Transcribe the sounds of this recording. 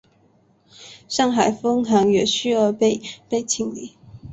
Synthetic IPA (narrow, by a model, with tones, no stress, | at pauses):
ʂɑ˥˩ŋxa˨˩ɪfɤ˥ŋɦa˧˥ŋɥɛ˨˩ɕy˥˩ə˧˥pe˥˧ɪpe˥˩ɪt͡ɕʰi˧˥ŋlḭ˨˥